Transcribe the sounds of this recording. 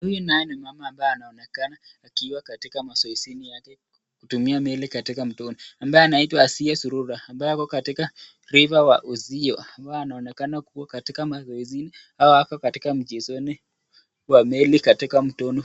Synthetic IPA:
hujunajɛnimamaːmbaɛanaɔnɛkanaːkiwakatikamasɔizinijakɛ | kutumiamɛlikatikam̩tɔnɔambajɛanaitwaːsiasuɾuɾaːmbajɛakɔkatika | ɾivawa̰ʔuziɔambaɛanaɔnɛkanakuwakatikamasɔizini | haɔakɔkatikam̩d͡ʒɛzɔni | wamɛlikatikam̩tɔnɔ

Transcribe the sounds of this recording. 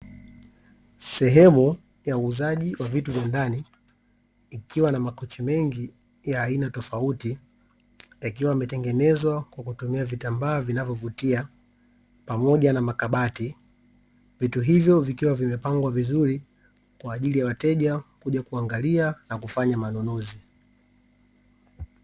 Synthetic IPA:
sɛɦɛmu | jauːzaʄiwavituvjandaniː | kiwanamakɔt͡ʃimɛŋɡi | jaːinatɔfauti | jakiwamɛtɛŋɡɛnɛzwakwakutumiavitambaːvinavjɔvutia | pamɔʄanamakaɓati | vituɦivjɔvikiwavimɛpaŋɡwavizuɾi | kwaːʄilijawatɛʄakuʄakuaŋɡalianakufaɲamanɔnɔzi

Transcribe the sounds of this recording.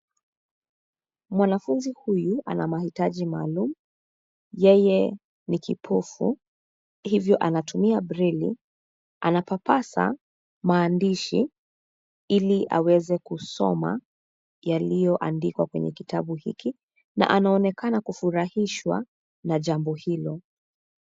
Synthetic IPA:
mwanafunzihujua̰namahitaʄimaːlumu | jɛjɛ | nikipʰɔfṵ | hivjɔʔanatumiabɾili | ʔanapapasa̰ | maːndiʃi | iliʔa̰wɛzɛkusɔ̰ma̰ | jalijɔʔandikwakwɛ̰ɲɛ̰kitaɓuhḭki | na̰ʔanaɔnɛkanakufuɾahiʃwa̰ | naʄambɔhilɔ

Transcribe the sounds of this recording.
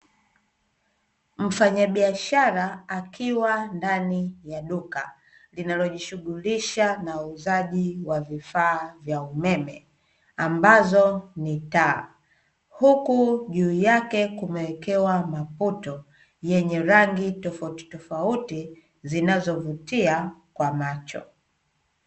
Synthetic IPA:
m̩faɲaɓiaʃaɾaakʰiwandanijaɗuka | linalɔʄiʃuɠuliʃanauzaʄiwavifaːvjaumɛmɛ | ambazɔnita | hukuʄuːjakɛkumɛwɛkɛwamaputɔ | jɛɲɛɾaŋɡitɔfauti̥tɔfauti | zinazɔvutiakwamat͡ʃɔ̰

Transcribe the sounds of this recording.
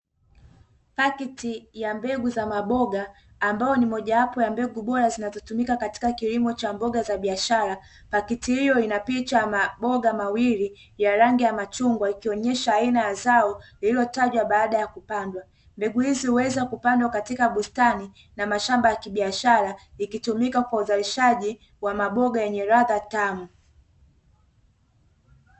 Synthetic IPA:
pakitijambɛɡuzamaɓɔɡaː | mbaɔnimɔʄawapɔjambɛɡuɓɔɾazinazɔtumikakati̥kakilimɔt͡ʃambɔɠazaɓiaʃaɾa | pakitihijɔinapit͡ʃamaɓɔɡamawili | jaɾaŋɡijamat͡ʃuŋɡwaikiɔɲɛʃaːinajazaɔlililɔtaʄwaɓaːɗajakupandwa | mbɛɡuhizihuwɛzakupandwakatikaɓustani | namaʃambajakiɓiaʃaɾaikitumikakwauzaliʃaʄi | wamaɓɔɡajɛɲɛɾaðatamu

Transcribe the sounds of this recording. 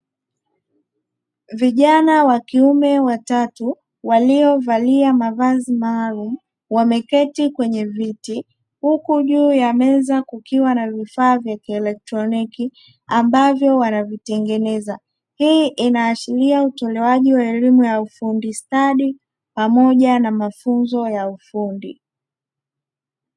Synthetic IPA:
viʄanawakiumɛwatatu | waliɔvaliamavazimaːlum̩ | wamɛkɛtikwɛɲɛviti | hukuʄuːjamɛzakukiwanavifaːvjakiɛlɛk̚tɾɔniki | ambavjɔwanavitɛŋɡɛnɛza | hiʔinaːʃiliautɔlɛwaʄiwaɛlimujaufundistaɗi | pamɔʄanamafunzɔjaufundḭ

